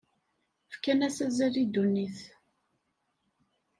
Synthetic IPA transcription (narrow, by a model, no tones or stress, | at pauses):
fkænæsæzæɾid̪unːiθ